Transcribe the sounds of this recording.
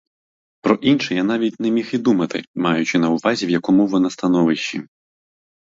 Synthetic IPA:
pɾɔʔinʃɛjanɑʋʲitʲnɛmʲixid̪umɐt̪ɪ̰mɑjʊt͡ʃɪnɐʊʋɑzʲiwjɐkɔmuʋɔnɑst̪ɐnɔʋɪʃt͡ʃi

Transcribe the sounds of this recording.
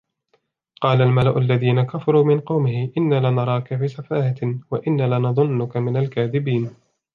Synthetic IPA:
qɑːlalmalaʔʊalːaðiːnakafɑɾˤuːmɪnqɑwmɪhɪʔɪnːaːlanɑɾˤɑːkafiːsafaːhawaʔɪnːaːlanɑðˤʊnːʊkamɪnalkaːðɪbiːn

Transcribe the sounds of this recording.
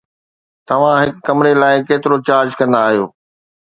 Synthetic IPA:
t̪ɐʋ̤ãɦɪkːɐmɪɾelaːɪkeːt̪ɪɾot͡ɕaːɾd͡ʑkɐ̃nd̪aːɦijo̰ː

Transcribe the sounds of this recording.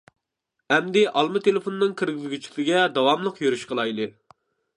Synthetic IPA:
ɛmd̪ɪʔɑlˠmɨt̪ʰelefonɨnɨŋkʲʰɪɾɡʲizɡʲyt͡ʃʰɪkʰʲlɪɡʲɛd̪ɑwɑmlˠəqjøɾyʃqʰəlˠɑjlˠɨ

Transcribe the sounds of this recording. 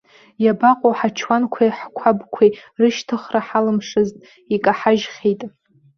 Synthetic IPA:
jabaqʼoħat͡ʃʰwankʷʰajħkʷʰabkʷʰerɨʃtʰɨχraħalɨmʂɨztʼ | ikʼaħaʒχʲejtʼ

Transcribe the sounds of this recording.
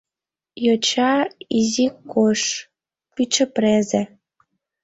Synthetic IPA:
jot͡ɕɑizikoʃ | pyt͡ɕə̆prezĕ

